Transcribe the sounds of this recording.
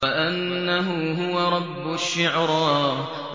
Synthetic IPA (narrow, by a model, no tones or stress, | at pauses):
ʔanːaɦʊɦʊwaɾˤɑbːʊʃɪʕɾˤɑː